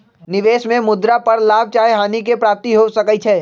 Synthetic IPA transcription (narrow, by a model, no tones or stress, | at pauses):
nɪʋeːʃmẽmʊd̪ɾapɐɾlaːb̚ʱt͡ʃaːeɦaːnikepɾaːp̚t̪iɦosɐkət͡ʃʰɛː